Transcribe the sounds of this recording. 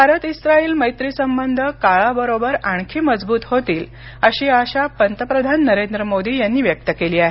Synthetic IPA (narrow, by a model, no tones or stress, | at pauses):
bʱaɾət̪isɾaiːlməjt̪ɾiːsəmbənd̪ʱəkaɭabəɾobəɾaɳ̃kʰiːməd͡zbuːt̪ɦot̪iːl | əɕiːaɕapənt̪əpɾəd̪ʱanːəɾend̪ɾəmod̪iːjanːiːʋjək̚t̪əkeliːaɦe